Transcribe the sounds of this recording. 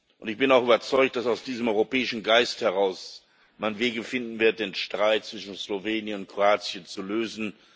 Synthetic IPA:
ʔʊntɪçb̥ɪnaʊxyːbɐt͡sɔʏktd̥asaʊsd̥iːzəmʔɔʏʁopɛːɪʃn̩ɡaɪsthɛʁaʊs | manveːɡəfɪndn̩vɪɐt̚d̥eːnʃtʁ̥aɪt̚t͡sv̥ɪʃn̩sloveːnjənʊnt̚kʁ̥oaːt͡sjənt͡suløːzn̩

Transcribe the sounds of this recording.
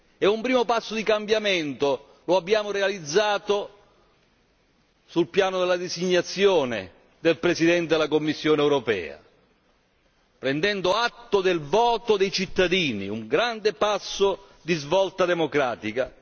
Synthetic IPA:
ɛumpɾiːmopasːod̪ikambjamɛnt̪o | loabːjaːmoɾealid̪zːaːt̪o | sulpjaːnod̪elːad̪isiɲːat̪sːjoːnḛ | d̪elpɾesid̪ɛnt̪̬ed̪elːakomːisːjoːnɛwɾopɛ̰ːa̰ | pɾɛnd̪ɛnd̪oat̪ːod̪elvɔːt̪od̪ejt͡ʃit̪ːad̪iːnḭṵŋɡɾand̪epasːo | d̪izvɔlt̪ad̪emokɾaːt̪ika

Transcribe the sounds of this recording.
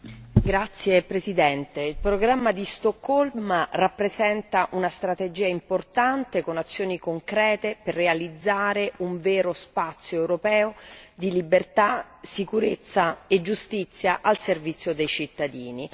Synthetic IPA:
ɡɾat̪sːjepɾezid̪ɛnt̪eilpɾoɡɾamːad̪ist̪okːɔlmrapːɾezɛnt̪aʔunast̪ɾat̪ed͡ʒiːaimport̪ant̪ekonat̪sːjoːnikoŋkɾɛːt̪eperːealid̪zːaːɾeuɱveːɾospat̪sːjoewɾopɛːod̪ilibert̪a | sikuɾet̪sːaed͡ʒust̪it̪sːjaʔalservit̪sjod̪ejt͡ʃit̪ːad̪iːni

